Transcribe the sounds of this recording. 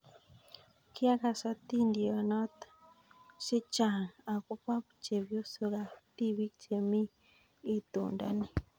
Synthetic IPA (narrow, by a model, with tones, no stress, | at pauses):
ki˦a˦ka˨sa˦t̪i˦ndi˨a˨na˦t̪ | se˦t͡ʃa˨ŋa˨ku˦pa˦βt͡ʃe˨βjo˦so˧ɡa˨t̪i˦βi˦kt͡ʃe˨mi˦ | e˨t̪ṵː˨nda̰˦ni˨